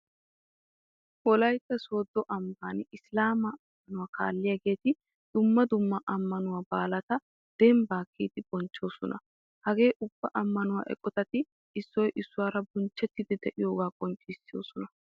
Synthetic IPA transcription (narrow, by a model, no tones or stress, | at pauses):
ʔɔlɐjt̪ːɐso̞ːd̪ːɔʔɐmbaːnɪslaːmɐɐmːɐnʊwaːkʰa̰ːlːɪjɐːɡe̞ːt̪ɪ | d̪̥ʊmːɐd̪ʊmːɐʔɐmːɐnʊwaːbaːlɐt̪ɐ | d̪̥ɛmbaːkːiːt̪ɪb̥ɔnt͡ʃːo̞ːsɔnɐ̰ | hɐɡe̞ːʔʊb̥ːɐʔɐmːɐnʊwa̰ːʔɛ̰kʼːɔt̪ɐt̪ɪ | ɪsːɔjʔɪsːʊwaːɾɐbɔnt͡ʃːɛt̪ːɪd̪ɛd̪ɛʔɪjo̞ːɡaːkʼɔnt͡ʃʼːɪsːɪjo̰ːsɔnɐ